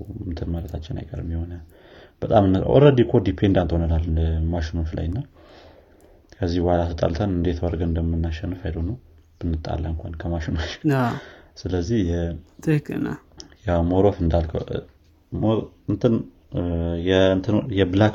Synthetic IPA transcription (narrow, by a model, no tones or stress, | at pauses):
ɨnt̪ʰɨnmaɾət̪ʰat͡ʃːɪna̰jkʼə̰ɾɨmːiho̞na | b̥ət̪ʼamɨnːʔo̰ɾəd̪ikʰod̪ipʰend̪ant̪honənalːɨnəmaʃɪno̞t͡ʃla̰jɨnːa | kʰəzːihwalasɨt̪ʼa̰lt̪ʰənɨnd̪e̞t̪ʰwɔɾɡəɨnd̪əmɨnːaʃːɛnːɨfajd̪ənəw | b̥ɨnːɨt̪ʼːa̰lːəɨŋkʷʰa̰nkʰəmaʃinot͡ʃ | sɨləzːihjɛt̪ʰɨhkɨna̰jawmoɾofɨnd̪alkʰə̰w | mɨnt̪ʰɨn | jɛɨnt̪ʰɨnjɛbɨlak